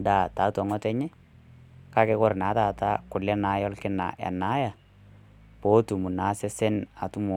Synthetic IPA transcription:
da˨ta˨˦tɔ˨ŋɔ˦tɛ˦ɲɛ˦ | ka˦kɛ˦kɔ˦ɾna˨˦taː˨ta˦kʊ˨lɛ˦na˨˦jɔ˦lkɪ˦na̰˨ʔɛ̰˨na˦ja˨ | po˨˦tu˨mu˨na˨˦se˦sɛ˦na˨tu˦mɔ˨

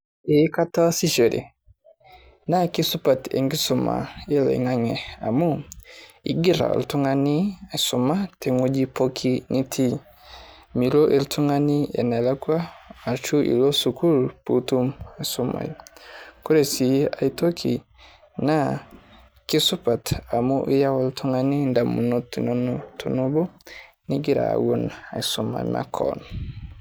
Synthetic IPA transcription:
e˨˦ka˦ta˦si˦ʃe˨ɾḭ˨ | na˦ki˦su˦pa˨tḛ˨ŋɡi˦su˨ma̰˨e˦la̰˨ḭ˨ŋa˦ŋɛ˨a̰˨mu˦ | ḭ˨ɡi˦ɾa̰˨ltu˦ŋa˦ni˦a˨su˨ma˦tʰe˨ŋo˦d͡ʒi˦po˦kʰi˦nʔi˦tʰi˦ | mi˨lo˦ʔe˦ltu˦ŋa˦ni˦ɛ̰˨na˨la˦kwaː˦˨t͡ʃu˦ʔḭ˨lo˦su˨ku˦lpu˨tu˦ma˨su˦ma̰˨jku˦ɾe˨si˨a˨ito˦kʰḭ˨ | na˦ | ki˦su˦pa˨ta˨mu˦ʔi˦ja˦woltʰu˦ŋa˨ni˦nda˨mu˨no˦tu˨no˦notu˨no˦bo˦ | ni˦ɡi˦ɾa̰˨wo˦na̰˨i˨su˨ma̰˨ma̰˦kʰɔ̰n

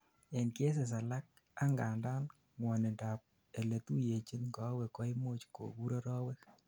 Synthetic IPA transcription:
e˨nkje˦s̬ɛ˨s̬a˨la˦k̚ | a˦ŋɡa˨nda˦n | ŋwɔ˨nɛ˨nda˨p̚ | e˨le˨t̪u˦je˨t͡ʃi˦nŋɡɔ˨˦wɛ˨kɔ˨˦ɪ˦mo˦t͡ʃko̰˨ɡu˦ɾɔ˦ɾɔ˦wɛ˦k

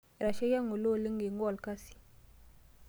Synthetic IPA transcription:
e˨ɾa˨ʃe˦ja˦ŋo˨lo˦˨le˦ŋɡe˨ŋɡwa˨lka˦si̥˨

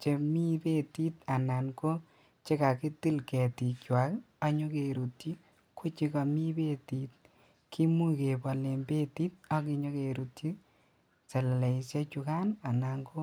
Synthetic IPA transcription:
t͡ʃe˧mi˦pe˦ti˦ta˨na˨nko˦ | t͡ʃe˦ka˨ki˦ti˦lkɛ˨ti˨kwa˨k | a˦ɲo˦ke˨ɾu˨ti˦ | ku˦t͡ʃi˧ka˨mi˦be˦ti˨t̚ | kʰi˦mu˦ke˨pɔ˨le˨mbe˦ti˦t̚ɔ˦k̬i˨ɲo˦ke˨ɾu˨ti˦ | sɛ˨llɛ˨i˨sje˦t͡ʃu˧ka˦na˨na˨ŋko˦

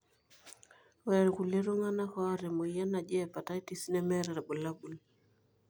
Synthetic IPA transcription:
wɛɾku˨le˦ɾo˦ŋa˦na˦ka˦ɾɛ˨mo˨ija˦na˨d͡ʒɛː˦˨pa˨ta˦i˦ti˦si˦nɛ˦mɛ˦ɾɛ˨ɾɛ˨bɔ˨la˦bu˨l

